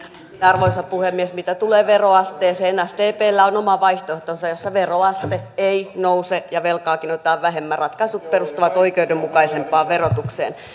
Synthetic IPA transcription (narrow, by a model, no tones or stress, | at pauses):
ɑrʋoisɑppuhemːiesmit̪æt̪uleːʋeroɑst̪eːseːnɑst̪eːpeːlːæonomɑʋɑiht̪oeht̪onsɑjjosːɑʋeroɑst̪eeinousejɑʋelkɑːkinot̪ɑːʋʋæɦemːærɑt̪kɑisut̪̚perust̪uʋɑt̪oikeudemmukɑisempɑːʋerot̪uksḛːn